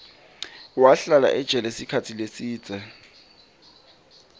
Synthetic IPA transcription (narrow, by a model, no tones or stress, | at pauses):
waɬala̰ʔɪd̥ʒ̥ʱɛlɛsikʰat͡sʰilesiːt͡sʼɛ